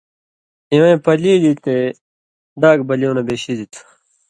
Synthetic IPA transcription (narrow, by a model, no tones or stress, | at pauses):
ĩwẽːpɐliːd̪it̪e | d̪aːɡ̚bɐljoːnɐbeːɕid̪it̪ʰ